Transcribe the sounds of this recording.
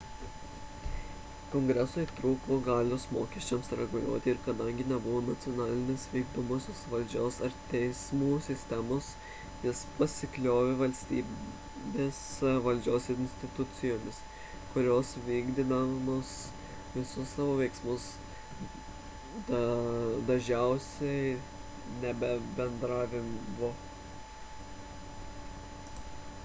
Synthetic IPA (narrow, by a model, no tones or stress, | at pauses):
koŋɡɾʲɛsoːit̪ɾuːkoɡɑːlʲoːsmoːkʲɛʃʲt͡ʃʲɛmsɾʲɛɡʊlʲṵɔːt̪ʲɪɪɾkɐd̪ɐŋʲɡʲɪnʲɛbʊʋoːnɐt̪sʲɪoːnɑːlʲɪnʲeːsʋʲɛɪɡd̪ʊmoːsʲoːsʋɐlʲd͡ʒʲoːsɐɾt̪ʲɛɪsmuːsʲɪsʲt̪ʲɛmoːs | nʲɛspɐsʲɪklʲoːʋʲeʋɐlʲsʲt̪ʲiː | bʲeːsʋɐlʲd͡ʒʲoːsɪnʲsʲt̪ʲɪt̪ʊt̪sʲɪjoːmʲɪs | kʊɾʲoːsʋʲiːɡd̪ʲɪnɐmoːs | ʋʲɪsʊssɑːʋoːʋʲɛɪksmʊs | d̪ | d̪ɐʒʲɛʊsʲɛɪ | nʲɛbʲɛbʲɛnd̪ɾɑːʋʲɪnʋo